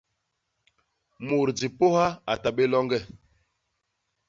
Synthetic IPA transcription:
mu˨ɾd͡zi˨po˦ha˦a˨ta˨ɓe˦lɔ˦ŋɡɛ˦˨

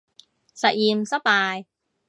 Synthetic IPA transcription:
sa˧ʔi˧msa˧˦paː˧j

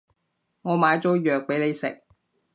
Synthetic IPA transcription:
ŋɔː˨˧maː˨˧jt͡sɔː˨˥jœː˨k̚pe˨˥jne˨˧jsɪ̰˨k̚

